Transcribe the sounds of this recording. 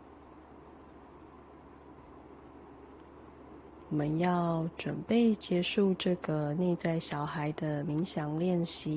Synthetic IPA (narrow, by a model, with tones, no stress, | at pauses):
wɔ˨˩mə˦njɑ˥˧ʊʈ͡ʂwə̰˨˩npe˥˩ɪt͡ɕjɛ˧˥ʂu˥˧ʈ͡ʂɤ˥˨ɡə˩ne˥˧ɪt͡sa˥˩ɪɕjɑ˨˩ʊxa˧˦ɪd̪ə˧mi˧˦ŋɕjɑ˨˩ŋljɛ˥˨nɕi˧˥˦